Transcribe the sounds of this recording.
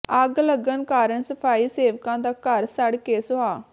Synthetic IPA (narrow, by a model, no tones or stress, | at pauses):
əɡləɡənkaːɾəɳsəpʰaːiːseːʋkãːd̪aːkəɾsəɽkeːsʊɦaː